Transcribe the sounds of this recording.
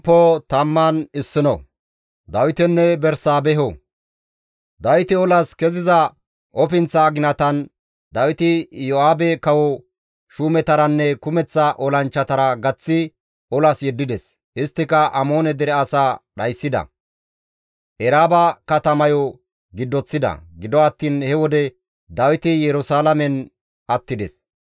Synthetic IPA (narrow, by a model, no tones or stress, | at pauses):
pːɔt̪ɐmːanɪsːɪnɔ̰ | d̪ɐwɪt̪ɛnːɛbɛɾsaːbɛɦɔ | d̪ɐwɪt̪ɪɔlɐskɛzɪzɐ | ɔpɪnt͡sːaːɡɪnɐt̪ɐn | d̪ɐwɪt̪ɪjɔaːbɛkɐwɔ | ʃuːmɛt̪ɐɾɐnːɛkʊmɛt͡sːɐʔɔlɐnt͡ʃːɐt̪ɐɾɐɡɐt͡sːɪ | ɔlɐsjɛd̪ːɪd̪ɛs | ɪst̪ːɪkɐʔɐmoːnɛd̪ɛɾɛɐsaːɗɐjsːɪd̪ɐ̰ | ʔɛɾaːbɐkɐt̪ɐmɐjɔ | ɡɪd̪ːɔt͡sːɪd̪ɐ̰ɡɪd̪ɔɐt̪ːiːnhɛwɔd̪ɛ | d̪ɐwɪt̪ɪjɛɾʊsaːlɐmɛn | ɐt̪ːɪd̪ɛ̰s